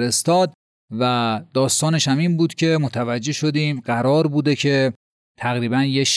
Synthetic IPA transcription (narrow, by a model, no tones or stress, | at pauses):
ɾest̪ɒːd̪ | væd̪ɒːst̪ɒːne̞ʃhæmiːnbuːd̪̥cʰe̞mot̪ʰævæd͡ʒːe̞ʃo̞d̪iːmɢæɾɒːɾbuːd̪e̞cʰe̞ | t̪ʰæɣɾiːbænje